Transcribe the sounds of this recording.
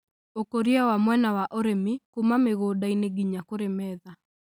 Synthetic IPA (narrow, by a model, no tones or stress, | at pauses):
okoɾiawamwɛnawaʔoɾemikumameɣoːdaineɡiɲakoɾemɛða